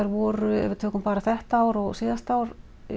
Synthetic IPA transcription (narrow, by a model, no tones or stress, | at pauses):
aɾvɔːɾʏɛ̰vɪɾt̪ʰøːkʏmpaːɾaθɛht̪aaːwɾɔɣsiːðast̪aːwɾ